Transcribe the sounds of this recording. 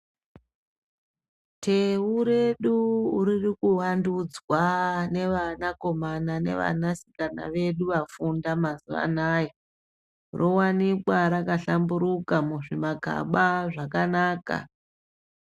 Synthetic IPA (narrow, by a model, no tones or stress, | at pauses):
tʰe̞uɾe̞ɗuːɾirikuwandud͡zwane̞ʋanako̞manane̞̰ʋa̰nasi̥kana̰ʋe̞ɗuʋafundamazuʋa̰najo | rʔowanikwaɾakaɬambuɾukamuʐimaɡʱa̰ɓaʐakanaːka̰